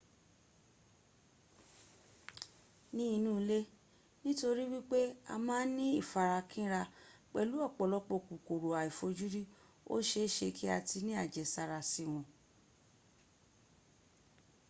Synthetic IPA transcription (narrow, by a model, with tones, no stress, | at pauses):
nĩ˦i˧nũː˦˧le˦ | nĩ˦to˧ɾi˦wi˦k͡pe˦a̰˧mãː˦nĩ˦i˦˨fa˨ɾa˧kʰĩ˦ɾa˧k͡pɛ˨lu˨˦ɔ˦˨k͡pɔ˨lɔ˧˦k͡po˧˨ku˨ko˨ɾo˨a˨i˨fo˧d͡ʒu˦ɾi˦ | o̰˦ʃe˧˦ʃe˧kʰi˦a˧ti˧nĩ˦a˦˨d͡ʒɛ˨sa˨ɾa˨si˨w̃ɔ̃˧